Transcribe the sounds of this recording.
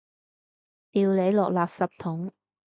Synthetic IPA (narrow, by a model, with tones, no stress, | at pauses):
t̪iː˨˧wle˨˧jlɔː˨k̚laː˨p̚sɐ˨p̚t̪ʰʊ˨˥ŋ